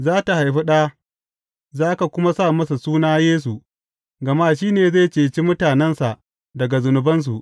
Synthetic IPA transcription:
zaː˦ta˨ha˨jɸi˦ɗaː˦ | zaː˦ka˨kʷʊ˦ma˦sa˦˨mɐ˦sa˨suː˦naː˦jeː˦s̬u˨ | ɡɐ˨ma˦ʃ̬iː˦neː˨za˦˨t͡ʃeː˨t͡ʃi˦mʊ˦taː˨nɛ˦nsa˨ʔ | dɐ˨ɡa˨zʊ˨nʊ˨bɐ˦ns̬u˨ʔ

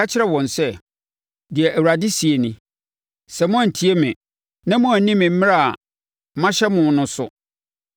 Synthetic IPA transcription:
a˦t͡ɕʰɪ˦ɾɛ˦wɔ̃˨nsɛ˦ | dɪ˨ɛ˨ʔæ˨wa˨dɪ˦si˨e˨nɪ̃˨ | sɛ˨m˦ɔ̃˦˨n̩˨tʰi˦e˦mɪ̃˨ | nã˦mʊ̃˦a˨˦nĩ˦mɪ̃˨m̩˦mɪ̃˦a˦˨a˨ | mã˦ɕɛ˦mʊ̃˨nʊ̃˦sʊ˨

